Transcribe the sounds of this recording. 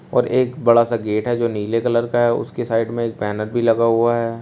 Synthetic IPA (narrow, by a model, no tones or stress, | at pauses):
ɔ̰ːɾeːkbɐɽasaɡeːʈɦɛd͡ʒoːniːlekɐləɾkaɦɛʊ̰skesaːɪɖmẽeːk̚pɛːnəɾbʱilɐɡaɦuaɦɛː